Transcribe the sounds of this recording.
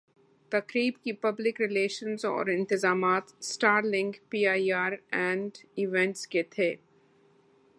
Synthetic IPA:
t̪ɐkɾiːbkipɐblɪkɾɪleːʃə̃nzɔ̰ːɾɪ̃nt̪ɪzaːmaːt̪sʈaːɾlɪ̃ŋɡpiːaːiaːɾɛ̃ːɳɖɪʋɛ̃ɳʈsket̪ʰeː

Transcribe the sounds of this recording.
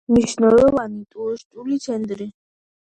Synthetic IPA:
mniʃnɔlɔvanit̪ʼuɔʃt͡ʃʼulit̪sʰɛnd̪ɾi

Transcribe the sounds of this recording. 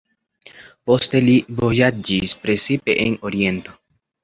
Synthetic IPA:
po̞ste̞livojad͡ʒispɾe̞t͡sipe̞̰ʔenoɾie̞nt̪o̞

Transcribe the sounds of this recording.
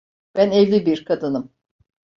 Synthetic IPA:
b̥ænɛvlʲibiɾkʰad̪ɯnɯm

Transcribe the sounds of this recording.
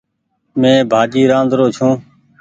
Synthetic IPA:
mẽːbʱaːd͡ʒiːɾãːnd̪ɾoːt͡ʃʰũː

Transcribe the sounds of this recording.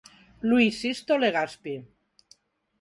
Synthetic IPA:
lwisist̪oleɣaspi

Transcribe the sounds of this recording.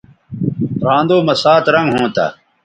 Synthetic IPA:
ɾãːnd̪oːmɐsaːt̪ɾɐŋɡɦõːt̪a̰ː

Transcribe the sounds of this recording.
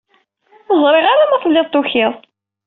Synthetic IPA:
əzˤɾˤɪʁaɾamæθlːɪðˤt̪ˤːʊçiðˤ

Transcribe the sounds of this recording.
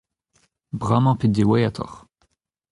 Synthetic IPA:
bʁamɑ̃pid̪d̪ewajat̪ʰɔ̰ʁ

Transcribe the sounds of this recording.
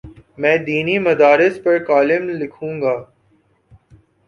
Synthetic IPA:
mɛ̃ːd̪iːnimɐd̪aːɾɪspɐɾkaːlɪmlɪkʰũːŋɡaː

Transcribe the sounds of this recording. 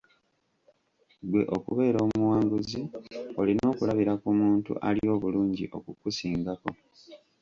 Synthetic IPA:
ɡwe̞ʔo̞kuβe̞ːɾo̞ːmmuwaːŋɡuzio̞lino̞ːkulaβiɾakumuːntṵʔalio̞ːβuluːɲɟḭʔo̞̰kukusiːŋɡako̞

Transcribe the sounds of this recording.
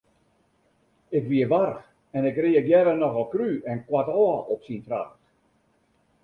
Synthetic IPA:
ɪkʋiəʋarx | ɛnɪkriəkjɛɾənɔɣɔlˠkryɛnkwatɔʔɔpsintra̰xt

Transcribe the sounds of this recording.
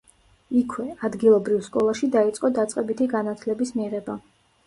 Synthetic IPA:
ikʰwɛad̪ɡilˠɔbɾivskʼɔlˠaʃid̪ait̪sʼqʼɔd̪at̪sʼqʼɛbit̪ʰiɡanat̪ʰlɛbismiʁɛba

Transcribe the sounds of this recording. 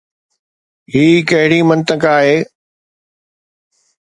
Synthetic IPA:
ɦiːkɐɦɪɽimɐ̃nt̪əkaːɦeː

